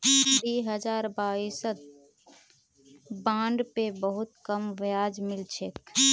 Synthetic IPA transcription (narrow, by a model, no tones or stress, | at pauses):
biɦəd͡ʒaɾbaisət̪̚ | bãɳɖpebəɦut̪kəmʋjad͡ʒmilt͡ʃʰek̚